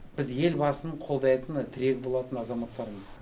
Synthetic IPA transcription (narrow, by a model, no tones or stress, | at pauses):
b̥ɪzje̞lbɑsənəɴqʰo̞lˠd̪ɑjt̪ənt̪ʰɪɾe̞kʲbo̞lˠɑt̪ənɑzɑmɑt̪ːɑɾəməz